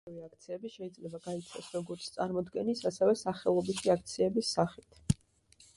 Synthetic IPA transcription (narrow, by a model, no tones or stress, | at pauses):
viak̚ʰt̪sʰiɛbiʃɛid̪zlɛbaɡait̪sʰasɾɔɡɔɾt̪sʰt̪ʼaɾmɔd̪ɡɛnisasɛvɛsaχɛlˠɔbisʰiak̚ʰt̪sʰiɛbisːaχit̪ʰ